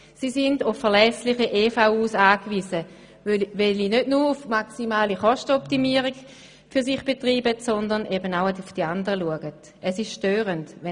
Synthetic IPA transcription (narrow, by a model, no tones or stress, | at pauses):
sisɪndʊfːɛɐʁlɛslɪχəʔefaʊuːsaːkviːsə | velinødnuːʁʊfmaksimaːliχɔʃtəɔptimiəʁiɡ | fyɐsiχb̥etʁiːbətsɔndɐnʔebənaʊaufd̥iandəʁəluəɡət | ʔɛsɪʃʃtøːʁəntɛ